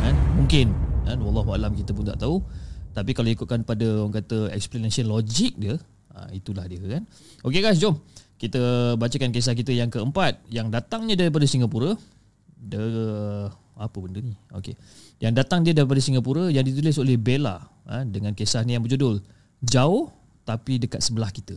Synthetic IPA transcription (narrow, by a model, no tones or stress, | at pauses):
kanmuŋkɪnkanwɑlˠˤːɑɦua̰lamkit̪əp̬ʊnt̪a̰ʔt̪aut̪apikalaikut̪̚kanpadəŋkat̪əɛ̰ksplanasiənlod͡ʒik̚diə | a̰it̪ulahdiəkan | okeɡajs̬d͡ʒɔmkit̪əbat͡ʃəkankes̬ahkit̪əjaŋkəəmpat̪̚jaŋdat̪aŋɲãdaɾip̬adəsiŋapuɾə | də | apəbəndəɲio̰kḛ | jaŋdat̪aŋdiədaɾip̬adəsiŋɡapuɾəjaŋdit̪ulɪsolɛhbela̰ | ədəŋãnkesahnijaŋbəd͡ʒudʊl | d͡ʒaʊh | t̪apidəkat̪̚səbəlahkit̪ə